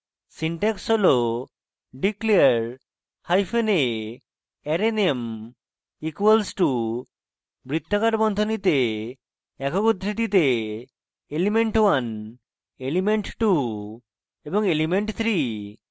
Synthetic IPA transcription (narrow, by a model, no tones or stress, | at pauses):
siɳʈɛksolo | ɖikliaɾ | hajpʰene | ɛɾenem | ikwelsʈu | bɾit̪ʰːakaʈbɔnd̪ʱonit̪e | ɛkokud̪ɾit̪it̪e | elimeɳʈwan | elimeɳʈʈu | ebɔŋelimeɳʈt̪ʰɾi